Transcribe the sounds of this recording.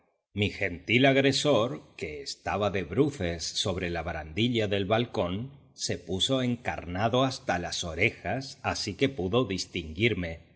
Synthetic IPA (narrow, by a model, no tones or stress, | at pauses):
mixe̞nt̪ilaɣɾe̞so̞ɾke̞ːst̪aβaðe̞βɾuθe̞sːo̞β̞ɾe̞laβɾand̪iʎaðe̞lβalko̞n | se̞puso̞e̞ŋka̰ɾnaðo̞ast̪alaso̞ɾe̞xasasike̞puðo̞ðist̪iŋɡiɾme̞